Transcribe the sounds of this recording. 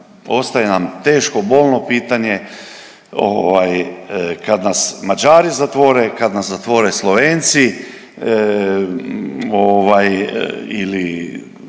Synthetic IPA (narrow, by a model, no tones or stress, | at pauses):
o̞st̪ajenamt̪eːʃko̞bo̞ːlˠnopiːt̪aɲe̞ | o̰ʋajkad̪nasmad͡ʒaːɾizat̪ʋo̞ːɾekad̪naszat̪ʋo̞ːɾeslˠo̞ʋeːnt̪si | oʋajḭli